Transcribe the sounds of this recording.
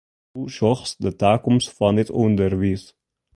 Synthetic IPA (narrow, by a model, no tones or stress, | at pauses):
uʃɔχsdətaːkʊmsfɑnɪtundəɾviːs